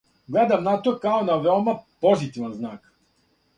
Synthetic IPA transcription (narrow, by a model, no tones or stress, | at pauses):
ɡlɛd̪ɐmnat̪okaonɐvɛlˠmɛpɔzit̪ivɛnznak